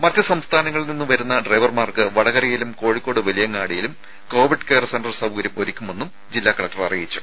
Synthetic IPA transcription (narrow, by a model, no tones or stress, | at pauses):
mɐtːɨsɐmst̪ʰaːnɐŋːɐɭninːuʋɐɾunːɐɖrɐjʋɐrmaːrkɨʋɐɽɐɣɐɾɐjilumko̞ːɻikːo̞ːɽɨʋɐlijɐŋːaːɽijilum | ko̞ːʋiɖkeːrɐsenɖɐrsɐʋukɐɾjɐmo̞ɾikʲːume̞nːum | d͡ʑilːaːkːɐɭɐk̚ʈɐrɐrijit͡ɕːu̥